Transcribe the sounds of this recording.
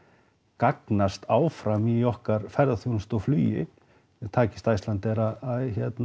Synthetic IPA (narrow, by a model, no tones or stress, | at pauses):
kaknast̪aːwfɾamiɔhkaɾfɛɾðaθjownst̪ɔwflyːjɪ̰ | ɛt̪ʰaːcɪ̥st̪ajst̪lant̪ɛɾaaçɛt̪n